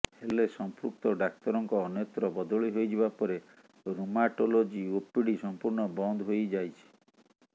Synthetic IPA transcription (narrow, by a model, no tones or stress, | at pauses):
helesɔmpɾuk̚t̪ɔɖak̚t̪ɔɾɔŋkɔːnjɔt̪ɾɔbɔd̪ɔɭiɦojd͡ʒiβapɔɾe | ɾumaʈolod͡ʒiopiɽisɔmpuɾɳɔbɔnd̪ʱɦojd͡ʒajt͡ʃʰi̥